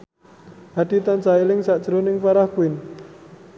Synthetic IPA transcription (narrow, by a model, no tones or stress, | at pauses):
haɖ̥i̤t̪ant͡ʃailɪŋsaʔd̥ʒ̥ɾonɪŋfaɾahkuɪn